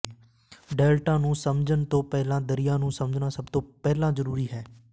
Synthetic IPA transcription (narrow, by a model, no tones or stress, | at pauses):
ɖɛːlʈãːnũːsəmd͡ʒənt̪õːpɛːlãːd̪əɾɪjãːnũːsəməd͡ʒnaːsəbt̪õːpɛːlãːzəɾuːɾiːɦɛː